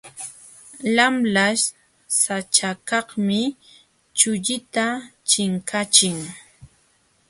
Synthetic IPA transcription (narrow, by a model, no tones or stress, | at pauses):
lamlaʃ | sat͡ʃakɑhmɪ | t͡ʃʊʎɪt̪at͡ʃɪŋkat͡ʃɪŋ